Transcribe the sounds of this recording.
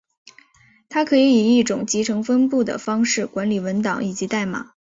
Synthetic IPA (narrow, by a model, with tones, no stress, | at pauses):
t̪ʰa˥kʰɤ˧˥i˧˥i˨˩i˥˩ʈ͡ʂʊ˨˩ŋt͡ɕi˧˥ʈ͡ʂʰɤ˧˥ŋfə˥npu˥˩d̪ə̰˨˩fɑ˥ŋʂɻ̩˥˩kwa˧˥nli˨˩wə˧˥nt̪ɑ˨˦ŋi˨˩t͡ɕi˧˥t̪a˥˩ɪma̰˨˩˦